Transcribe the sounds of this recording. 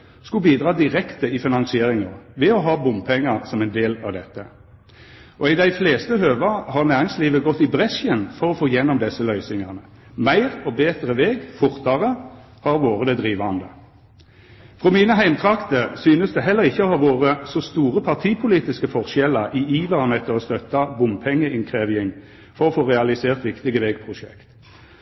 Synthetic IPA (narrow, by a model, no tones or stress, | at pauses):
skʉbiːd̪ʁɑːd̪ɪʁɛkt̪əɪfɪnɑŋsɪeːʁɪŋɑʋɛɔɦɑːbʊmpʰɛŋːɑʁsɔmɛɪnd̪eːlɑʋd̪ɛt̪ːə | ʔɔɪd̪æɪfleːst̪əɦøːʋɑhɑʁnæːʁɪŋsliːʋəɡɔt̪ːɪbʁɛsənfɔʁɔfoːjɛnːɔmd̪ɛsːəlœʏsɪŋɑʁnə | mæɪʁɔbeːt̪ɾəʋeːɡfʊʁt̪ɑʁə | hɑʁʋoːʁəd̪ɛd̪ʁiːʋɑnd̪ə | fʁɔmiːnəɦæɪmt̪ʰʁɑkt̪əsyːnəsd̪ɛɦɛlːəʁɪçːəɔhɑʁʋoːʁəsɔst̪uːʁəpʰɑʁt̪ʰiːpʰʊliːt̪ɪskəfɔʁʃɛləʁʔiiːʋ̪ɑnɛt̪ʰːəʁɔst̪œt̪ːɑbʊmpʰɛŋːəʔɪŋkʰʁeːʋɪɪŋ | fɔʁɔfoːʁɛɑlɪseːʁt̪ʋɪkt̪ɪɡəʋeːɡpʰʁʊʃɛ̰kt̪